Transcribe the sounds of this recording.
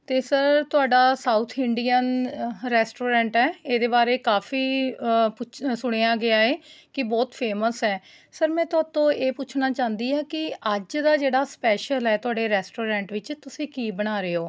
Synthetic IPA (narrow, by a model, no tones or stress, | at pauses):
t̪eːsəɾt̪ʊaːɖaːsaːut̪ʰɪɳɖijənɾɛːsʈoːɾɛ̃ːɳʈɛːeːd̪eːbaːɾeːkaːfʰiːpʊsʊɽ̃eːaːɡɪaːeːkɪbɔːt̪pʰeːməsɛː | səɾmɛ̃ːt̪ʊaːt̪õːeːpʊːt͡ʃʰnaːt͡ʃãːnd̪iːɛːkɪəd͡ʒd̪aːd͡ʒeːɽaːspɛːʃəlɛːt̪ʊaːɖeːɾɛːsʈoːɾɛ̃ːɳʈʋɪt͡ʃt̪ʊsĩːkiːbəɽ̃aːɾeːoː